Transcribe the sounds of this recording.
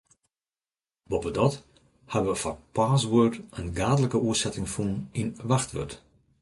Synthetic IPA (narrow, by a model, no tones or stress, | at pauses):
bɔpədɔt | habəʋəfɔpaːsʋøətənɡaːdələkəuəsɛtɪŋfuninʋaxtʋø̰t